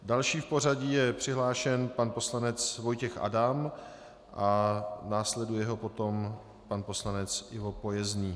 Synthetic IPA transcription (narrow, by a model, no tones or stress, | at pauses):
dalʃiːfpo̞r̝aɟijɛpr̝̥ɪɦlaːʃɛnpanpo̞slanɛt͡svo̞jcɛxʔa̰dam | ʔanaːslɛdujɛɦo̞po̞t̪o̞m | panpo̞slanɛt͡sɪvo̞po̞jɛzɲiː